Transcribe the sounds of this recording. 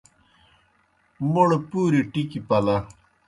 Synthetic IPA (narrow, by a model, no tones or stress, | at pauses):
muɽpuːɾiʈikipɐlɐ